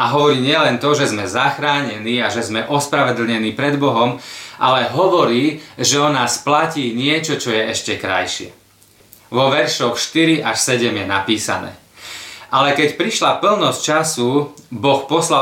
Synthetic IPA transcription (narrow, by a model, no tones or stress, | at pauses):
aɦɔʋɔɾiːɲɪɛlɛnt̪ɔʒɛzmɛzaxɾaːɲɛniːaʒɛzmɛʔɔspɾaʋɛd̪l̩ɲɛniːpɾɛd̪bɔɦɔmʔa̰lɛɦɔʋɔɾiːʒɛɔnaːsplaciːɲɪɛt͡ʃɔt͡ʃɔjɛɛʃcɛkɾa̰jʃɪɛ̰ | ʋɔʋɛɾʃɔxʃt̪iɾiʔaʃsɛɟɛmjɛnapiːsa̰nɛ̰ː | alɛkɛcpɾiʃlapl̩nɔst͡ʃasubɔxpɔsla